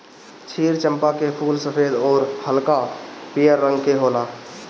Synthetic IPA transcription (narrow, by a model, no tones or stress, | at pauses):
t͡ʃʰiːɾt͡ʃə̃mpakepʰuːlsəpʰeːd̪ɔːɾhəlkapijəɾːə̃ŋɡkeɦoːlaː